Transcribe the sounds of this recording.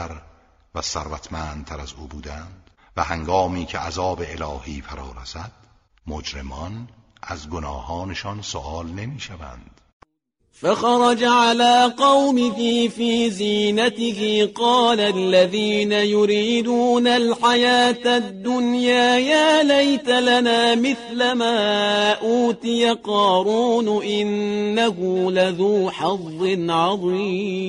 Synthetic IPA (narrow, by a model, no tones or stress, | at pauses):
æɾ | væsæɾvæt̪ʰmænd̪̚t̪ʰæɾæzuːbuːd̪ænd̪̥væhæŋɡɒːmiːcʰeʔæzɒːbeelɒːhiːfæɾɒːɾæsæd̪̥̚ | mod͡ʒɾemɒn | ʔæzɡonɒːhɒːneʃɒnso̰ʔɑːlne̞miːʃævæ̰nd̪̥ | faxɑɾˤɑd͡ʒaʕalaːqɑwmɪɦifiːziːnat̪ɪhɪqɑːlalːaðiːnajʊɾiːd̪uːnalħajaːt̪ad̪ːʊnjaːjaːlajt̪alanaːmɪθlamaːʔuːt̪ɪjaqɑːɾuːnʔɪnːaɦʊlaðuːħɑðˤːɪnʕɑðˤiːmm